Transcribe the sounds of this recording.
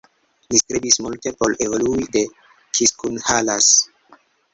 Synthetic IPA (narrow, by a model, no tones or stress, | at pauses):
listɾibismulte̞po̞levoluide̞ | kʰiskunhalas